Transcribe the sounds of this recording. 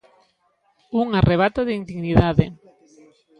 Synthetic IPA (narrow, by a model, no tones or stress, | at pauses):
uŋarʔeβ̞at̪oðind̪iɣniðaðɪ